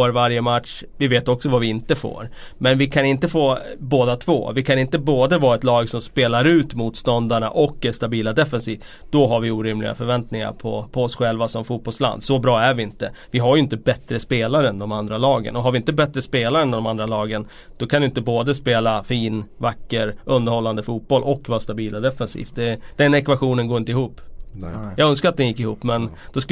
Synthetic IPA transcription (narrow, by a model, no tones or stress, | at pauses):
oːɾvaɾjəmat̪ʂ | vɪveːt̪ɔksɔvavɪɪnt̪əfo̰ːɾ | mɛnvɪkʰanɪnt̪əfoːboːd̪at̪ʰvo̰ːvɪkʰanɪnt̪əboːd̪əvɑːɛt̪lɑːɡsɔmspeːlaɾʉ̟ːt̪muːt̪st̪ɔnd̪aɳa̰ʔɔkːɛst̪abiːlad̪ɛfɛnsiːv | d̪̥ɔɦaɾvɪuːɾɪmlɪ̰ɡa̰fœɾvɛnt̪nɪŋa̰ɾpʰɔ̰pʰɔɔsɧɛlvasɔmfuːt̪̚bɔlsla̰nd̪sɔbɾɑːæɾvɪɪnt̪əvɪɦaɾjʏɪnt̪əbɛt̪ɾəspeːlaɾəɛnd̪ɔmand̪ɾalɑːɡə̰nɔɦaɾvɪɪnt̪əbɛt̪ːɾəspeːlaɾəɛnd̪ɔmand̪ɾalɑːɡən | d̪̥ɔkʰanɪjɪnt̪əboːd̪əspeːlafiːnvakːəɾʔɵnd̪əɾhɔlːand̪əfuːt̪̚b̥ɔlʔɔkːvɑːɾast̪abiːlad̪ɛfɛnsḭːft̪̚d̪ɛd̪ɛnɛkvaɧuːnənɡoːɾɪnt̪əɪhuːpːjɑːɡɵnskaɾat̪̚d̪ɛnjɪkːɪhṵːpːmɛn | d̪̥ɔs